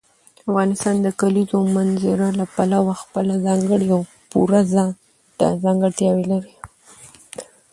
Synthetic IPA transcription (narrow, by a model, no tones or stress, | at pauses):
afɣɑnɪst̪ɑnd̪əkalizomanzɪɾalapalawaxpəlazɑŋɡəɽiaw | puɾaz | azɑŋɡəɽt̪jɑwelaɾi